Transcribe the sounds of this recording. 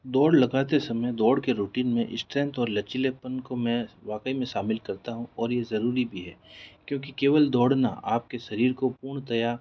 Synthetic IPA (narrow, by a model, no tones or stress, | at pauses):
d̪ɔːɽlɐɡaːt̪esɐməjd̪ɔːɽkeɾuːʈiːnmḛ̃ʔɪ̰sʈɾɛ̃ːnt̪ɔːɾlɐt͡ʃilepənkomɛ̃ːʋaːkəimẽʃaːmɪlkɐɾt̪aɦũɔːɾjezɐɾuːɾibʱiɦɛ̰ːkjõːk̬ikeːʋəld̪ɔːɽna̰a̰ːp̚keʃɐɾiːɾkopuːɾɳ̃t̪ɐja